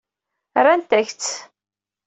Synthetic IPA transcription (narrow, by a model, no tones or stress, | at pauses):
rˤænt̪æçt͡sː